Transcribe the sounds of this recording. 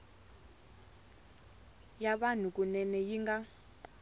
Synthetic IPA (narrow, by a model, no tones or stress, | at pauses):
jaɓan̤ukʼunɛnɛjiŋɡa